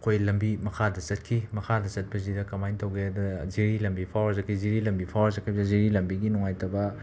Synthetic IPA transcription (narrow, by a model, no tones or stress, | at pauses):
kʰojlɐmbimɐkʰadɐsɐt̚kʰimɐkʰadɐsɐt̚bɐzidɐkɐmajntʰɐwɡeadɐziɾilɐmbipʰawzɐkʰijziɾilɐmbipʰawzɐkʰajbzaziɾilɐmbiɡinɔŋajtʰɐbɐ